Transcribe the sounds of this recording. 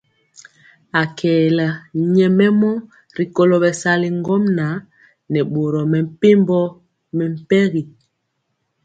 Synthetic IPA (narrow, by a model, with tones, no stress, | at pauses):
a˨kʰɛː˨la˨ɲɛ˨mɛ˦mɔ˦ | ɾi˨ko˨lo˨bɛ˨sa˦li˨ŋ˦ɡɔ˦mna˨˦ | nɛ˨ɓo˨ɾɔ˨mɛ˨m̩˨pe˦mbɔ˦ | mɛ˨m̩˨pɛ˦ɣi˨